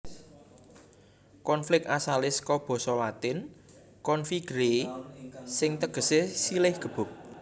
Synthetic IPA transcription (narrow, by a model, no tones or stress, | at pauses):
kɔnflɪk̪̚asalɪskɔb̥ɔ̤sɔlat̪ɪn | kɔnfiɡ̥ɾe | sɪŋt̪əɡ̥ə̤sesilɪhɡ̥ə̤b̥ʊ̤k̚